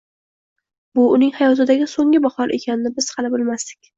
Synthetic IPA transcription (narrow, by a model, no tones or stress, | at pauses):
bʊʊnɪŋhajɒt̪ʰɪd̪aɡʲɪsoŋɪbahɒɾʔe̞kʲʰanɪnɪbɪz̥hɑlɪbʊlˠmasd̪ɪ̥kʲ